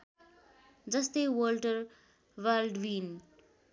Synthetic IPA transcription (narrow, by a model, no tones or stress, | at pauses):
d͡zʌst̪ʌjwʌlʈʌr | wʌlɖwin